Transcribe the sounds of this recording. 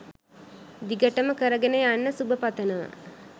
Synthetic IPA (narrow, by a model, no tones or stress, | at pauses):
d̪iɡəʈəməkəɾəɡenejanːəsubəpat̪ɐna̰ː